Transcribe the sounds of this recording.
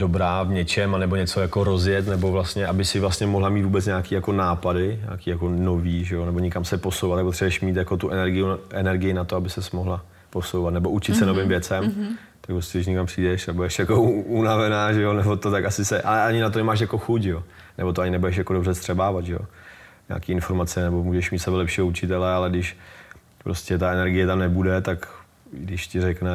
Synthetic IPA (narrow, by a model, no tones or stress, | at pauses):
dobɾaːvɲɛt͡ʃɛmanɛbo̞ɲɛt͡so̞jako̞ɾo̞zjɛt̪nɛbo̞vlast̪ɲɛʔabɪsɪvlast̪ɲɛmoɦlamiːt̪vuːbɛt͡sɲaːkiːjako̞naːpadɪɲa̰ːkiːjako̞no̞viːʒɛjonɛboɲɪkamsɛpo̞sowvat̪ːak̚pot̪sɛbujɛʃmiːt̪jako̞t̪uʔɛnɛɾɡɪjuʔɛnɛɾɡɪjɪnat̪oabɪsɛsmoɦla | po̞sowvat̪nɛbo̞ʔut͡ʃɪt̪sɛnovɪmvjɛt͡sɛm | t̪ak̚pɾoscɛdɪʃ̬ɲɛkampr̥iːdɛʃabudɛʃjakounavɛnaːʒɛjonɛbot̪ot̪akasɪsɛʔalɛʔaɲɪnat̪onɛmaːʃjako̞xucʒɛo | nɛbo̞t̪̬oaɲɪnɛbudɛʃ̬jakodobrɛst̪r̥ɛbaːvad̪ʒɛjo̰ | ɲa̰ːkiːɪnfo̞ɾmat͡sɛnɛbo̞muːʒɛʃmiːt̪sɛbɛlɛpʃiːɦout͡ʃɪt̪ɛlɛalɛɡdɪʃ | pɾoscɛt̪aɛnɛɾɡɪjɛt̪amnɛbudɛt̪ak | ɡdɪʃcɪɾɛknɛ